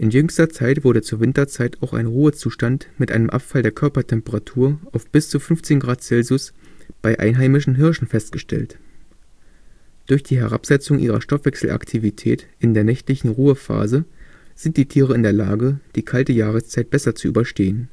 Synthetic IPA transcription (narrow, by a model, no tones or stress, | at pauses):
ʔɪnjʏŋstɐt͡saɪtv̥ʊɐɾət͡suːɐvɪntɐt͡saɪtaʊxa̰ɪnʁuːət͡suːʃtantmɪtʔaɪnəmʔa̰pfaldeːɐkʰœɐpɐtʰɛmpəʁatʰuːɐʔaʊfb̥ɪst͡sufʏnft͡seːnɡʁaːt̚t͡sɛlzʊsb̥aɪʔa̰ɪnɦaɪmɪʃn̩ɦɪɐʃn̩fɛst̚ɡ̥əʃtʰɛ̰lt | d̥ʊɐçd̥iːɦɛʁ̞a̰pz̥ɛt͡sʊŋʔḭːʁ̞ɐ̰ʃtɔfv̥ɛksl̩ʔa̰ktʰivitʰɛ̰ːtʔɪndeːɐnɛçtlɪçn̩ʁuːəfa̰ːzəz̥ɪnt̚d̥iːtʰiːʁəɪndeːɐlaːɡəd̥iːkʰaltəjaːʁ̞əst͡saɪt̚b̥ɛsɐt͡suyːbɐʃteːən